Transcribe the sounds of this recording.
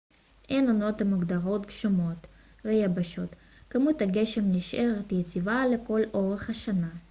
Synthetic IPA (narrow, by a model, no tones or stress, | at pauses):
ʔenono̞t̪hamuɡd̪aʁo̞t̪ɡʃomo̞t | ʁejabaʃo̞t̪ | kamut̪haɡe̞ʃe̞mniʃʔeʁet̪jet͡sivale̞ko̞lʔo̞ʁeχhaʃana